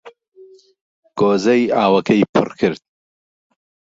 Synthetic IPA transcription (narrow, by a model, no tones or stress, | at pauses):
ɡ̥oːzɐjaːwɐkʰɐjpʰɨ̰rkʰɨɾd̪̚